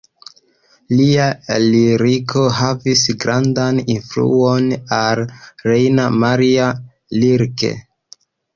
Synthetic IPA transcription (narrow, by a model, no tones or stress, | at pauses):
lialiɾikʰo̞ɦavisɡɾandaninflṵonalɾejnamaɾia | liɾkḛ